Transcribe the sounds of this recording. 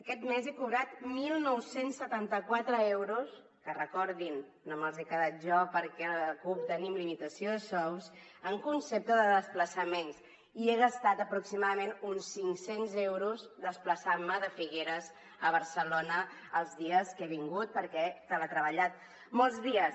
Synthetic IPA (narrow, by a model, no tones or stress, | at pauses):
əkɛt̪mezekuβɾat̪milˠnɔwsensːət̪ant̪əkwat̪ɾəewɾus | kərəkɔɾðinː | oməlˠzekəðat̪̚ʒɔpəɾkɛkup̚t̪ənimlimit̪əsioðəsɔwzəŋkunsep̚t̪əðəðəspləsəmens | ieɣəst̪at̪əpɾuksimaðəmenunsiŋksenzɛwɾuzd̪əspləsaməðəfiɣeɾəz | əβ̞əɾsəlonəəlˠzðiəskeβiŋɡut̪̚pəɾkɛt̪aβət̪ɾəβəʎat̪̚ | mɔlˠzðiəs